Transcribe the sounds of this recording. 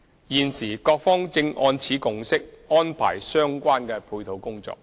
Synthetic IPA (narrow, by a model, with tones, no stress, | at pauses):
jiː˨nsiː˨˩kɔː˧k̚fɔː˥ŋt͡sɪ˧ŋʔɔː˧nt͡sʰiː˨˥kʊ˨ŋsɪ˥k̚ɔː˥npʰa̰ː˨˩jsœː˥ŋkʷaː˥nkɛː˧pʰuː˧jt̪ʰo˨wkʊ˥ŋt͡sɔ̰ː˧k̚